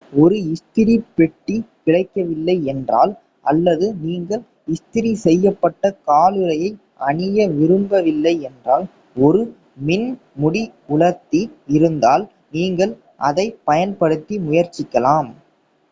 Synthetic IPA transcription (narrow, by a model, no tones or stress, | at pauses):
ɔɾɯɪst̪ɪɾipɛʈːikɪɽɐɪkːɐʋɪlːɐɪɛndra̰ːl | ʔɐlːɐðɯniːŋɡɐɭ | ɪst̪ɪɾisɛjːɐpːɐʈːɐkaːlɯɾɐjɐɪ | ʔɐɳɪjɐʋɪɾɯmbɐʋɪlːɐɪɛndraːl | ɔɾɯ | mɪn | mʊɽiʊɭɐt̪ːiɪɾɯnd̪aːl | niːŋɡɐɭ | ʔɐ̰ðɐɪpɐjɐnpɐɽɯt̪ːimʊjɐɾt͡ʃːɪkːɐlaːm